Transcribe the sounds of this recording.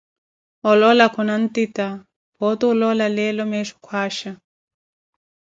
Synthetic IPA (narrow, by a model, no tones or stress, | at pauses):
ɔlɔlakʰɔnan̩tita | pɔtuulɔlalɛlɔmɛʃu̥kʰwaːʃa